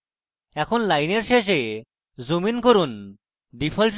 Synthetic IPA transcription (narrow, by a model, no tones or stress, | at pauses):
ɛkʰonlajneɾʃeʃe | zominkoɾun | ɖipʰalʈ